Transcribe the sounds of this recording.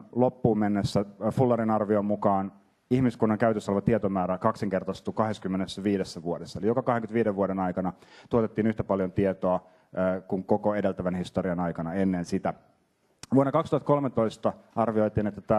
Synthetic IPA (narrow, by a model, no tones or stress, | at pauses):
lopːuːmmenːesːæfulːɑɾinɑrʋiomːukɑːn | ihmiskunːɑŋkæyt̪øsːɑlʋɑt̪iet̪omæːɾækɑkseŋke̞rt̪ɑst̪ukɑɦeskymːenesːæʋiːdesːæʋuodesːɑelijokɑkɑheŋkyt̪ʋiːdeʋʋuoɾenɑjkɑnɑt̪uot̪et̪ːiːnyht̪æpɑljont̪iet̪oɑː | kuŋko̞koede̞lt̪æʋænhist̪oɾiɑnɑjkɑnɑe̞nːensit̪æ | ʋuonːɑkɑkst̪uhɑt̪ko̞lmet̪ːo̞jst̪ɑɑrʋio̞jt̪iːnet̪ːæt̪æ